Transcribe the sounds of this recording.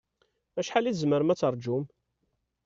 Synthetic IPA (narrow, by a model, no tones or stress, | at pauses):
æʃħaliθzməɾmæt͡sːəɾˤd͡ʒʊm